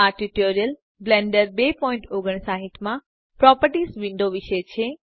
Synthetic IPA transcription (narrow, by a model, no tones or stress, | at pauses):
aʈiʈoɾijəl | blẽɳɖəɾbepɔĩɳʈoɡəɳ̃saɦit̪mã | pɾɔpəɾʈisʋɪ̃nɖ̪oʋiʃət͡ʃʰe